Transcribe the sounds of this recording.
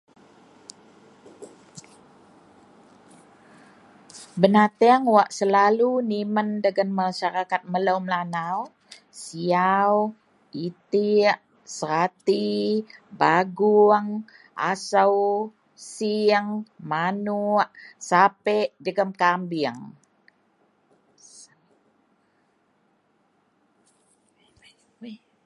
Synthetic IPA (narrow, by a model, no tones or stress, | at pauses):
bənat̪ɛaŋwaʔsəlaluniməndəɡənmaʃaɾakat̪̚mələwmlanaw | siaw | it̪iʔ | səɾat̪i | baɡuŋ | ʔa̰səw | siəŋmanuʔsapɛʔd͡ʒəɡəmkambiəŋ